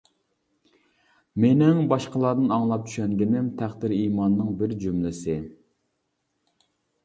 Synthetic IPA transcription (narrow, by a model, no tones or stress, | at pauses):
menɪŋbɑʃqəlˠɑɾd̪ɨnɑŋlˠɑp̚t͡ʃʰy̥ʃɛŋɡʲɪnɪmt̪ʰæχd̪ɪɾiːmɑnːɨŋbɪɾd͡ʒymlɪsɪ